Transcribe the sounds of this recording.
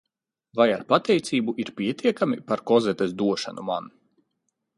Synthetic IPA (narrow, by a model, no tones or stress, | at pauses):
vajaɾpat̪ɛjt̪siːbuʔiɾpʲiɛt̪iɛkamipaɾkɔzɛt̪esd̪uɔʃa̰numa̰n